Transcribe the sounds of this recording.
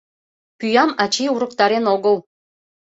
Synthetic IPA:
pyjɑmɑt͡ɕiuɾə̆kt̪ɑɾenoɣəl

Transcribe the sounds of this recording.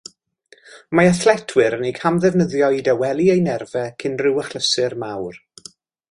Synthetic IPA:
maəθlˠɛtʰwɪɾənejkʰamðɛvnəðjɔidɛwɛlˠiejnɛrvɛkʰɪnrɪwəχlˠəsɨrmawr

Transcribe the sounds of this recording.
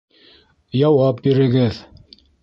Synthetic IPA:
jɑwɑp̚biɾɘ̆ɡɘð

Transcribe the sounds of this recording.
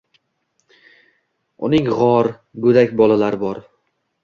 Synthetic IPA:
ʊnɪŋʁɒɾ | bɵd̪akʲbɒlˠalaɾɪbɒɾ

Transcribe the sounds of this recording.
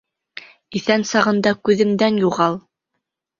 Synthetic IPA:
iθænsɑʁɤ̆nd̪ɑkʉðɘ̆md̪ænjuʁɑlˠ

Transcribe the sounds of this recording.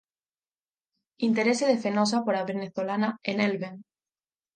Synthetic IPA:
int̪eɾeseðefenos̬apoɾaβeneθolanaenelβeŋ

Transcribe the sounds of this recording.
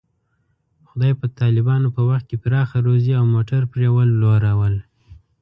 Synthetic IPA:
xʊd̪ɑjpət̪ɑlɪbɑnopəwaxt̪̚kepɾɑxaɾoziawmoʈaɾpɾewəlːoɾawəl

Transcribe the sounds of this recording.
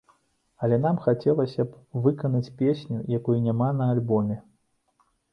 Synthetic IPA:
ɐlʲɛn̪amxat͡sʲɛlˠɐsʲɐpvɨkɐnɐt͡sʲpʲesʲnʲujakujunʲamanɐːlʲbɔmʲɛ

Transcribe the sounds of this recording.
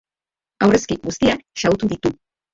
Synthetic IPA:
awreskiɡust̪iaʃaut̪uðit̪u

